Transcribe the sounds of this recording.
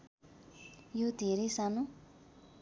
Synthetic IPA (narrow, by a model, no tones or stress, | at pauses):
jod̪ʱeɾejsanu